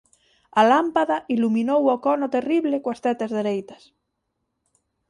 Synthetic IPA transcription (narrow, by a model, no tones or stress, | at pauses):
alampaðaʔilumĩnowokɔnot̪eriβlekwast̪ɛt̪azðeɾejt̪as